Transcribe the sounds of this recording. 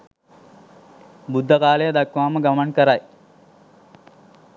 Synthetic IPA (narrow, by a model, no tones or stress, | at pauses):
bud̪ʱːɐkaːlejɐd̪akʋaːməɡɐmɐnkəɾaj